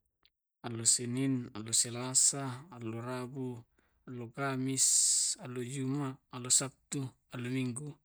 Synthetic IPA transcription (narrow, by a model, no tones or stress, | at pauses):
alosininalːoselasaːlorabu | alːokamisalod͡ʒumaːlosap̚t̪u | alomiŋɡu